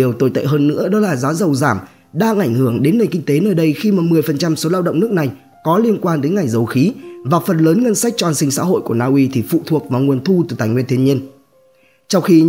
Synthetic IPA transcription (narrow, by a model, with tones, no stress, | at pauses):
i˨˩əwt̪o˧˩jt̪ḛ˧˨ɦəː˧nːɨ̰˧˥əɗɔ˨˦laː˨˩zaː˨˦zə˨˩wzaː˧˩m | ɗaː˧ŋʔa˧˩jŋ̟hɨ˧˩əŋɗe˨˦nːe˨˩nŋki˧ŋ̟t̪e˨˦nəː˧˩jɗə˧jxi˧maː˨˩mɨ˨˩əjfə˨˩nt͡ɕa˧mso˨˦laː˧wɗə̰˧˨ŋ͡mnɨ˦˥ək̚na˨˩j | kɔ˨˦li˧ənkwaː˧nɗe˨˦nŋa˨˩jŋ̟zə˨˩wxi˨˦vaː˨˩fə˨˩nləː˨˦nŋə˧nsa˦˥k̟̚t͡ɕɔ˧a˧nsï˧ŋsa̰ː˧˥ɦo̰˧˨jku˧˩ənaː˧ʔwi˧t̪ʰi˨˩fṵ˧˨t̪ʰu˨˩ək̚vaː˨˩ŋu˨˩ənt̪ʰu˧t̪ɨː˨˩t̪aː˨˩jŋwənt̪ʰɲi˧ən | t͡ɕɔ˧wŋ͡mxi˧